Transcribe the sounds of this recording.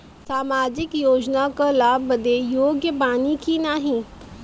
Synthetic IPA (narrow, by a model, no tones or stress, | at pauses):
saːmaːd͡ʒɪkjoːd͡ʒnakalaːbːəd̪ejoːɡjəbaːnikinaːɦĩ